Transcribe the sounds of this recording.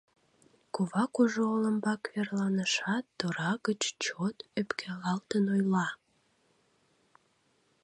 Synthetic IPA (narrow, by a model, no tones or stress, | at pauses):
kuβɑkuʒooləmbɑkβerlɑnəʃɑt̪ːoɾɑɣət͡ɕt͡ɕot̪øpkʰælɑlt̪ənojlɑ